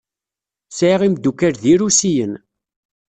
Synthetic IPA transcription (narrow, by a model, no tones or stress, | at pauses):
sʕiʁimd̪ːukæɾðiɾusijən